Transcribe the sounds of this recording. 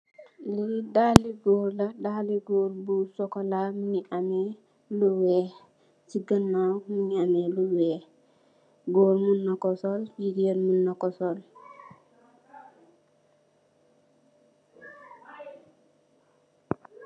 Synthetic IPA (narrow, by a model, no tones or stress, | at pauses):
lidaliɡɔɾlɐdaliɡoːɾbusɔkɔlamuniʔamɛ | luwɛː | siɡənːawmuɲiamɛluwɛː | ɡoɾmunːakɔsɔld͡ʒiɡeɾmunːakɔsɔl